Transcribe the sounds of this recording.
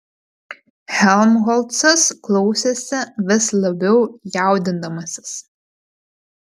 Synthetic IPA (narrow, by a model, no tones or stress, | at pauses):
hʲɛlˠmɣɔlˠt̪sɐsklˠɒʊsʲeːsʲɛʋʲɪslˠɐbʲɛʊjæˑʊd̪ʲɪnd̪ɐmɐsʲɪ̥s